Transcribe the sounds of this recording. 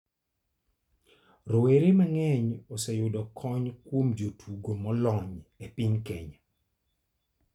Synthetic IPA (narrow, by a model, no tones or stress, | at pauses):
rɔweɾemaŋɛɲɔsɛjʊdɔkʰɔɲkwomd͡ʒotʰuɡomɔlɔɲepɪɲkɛɲa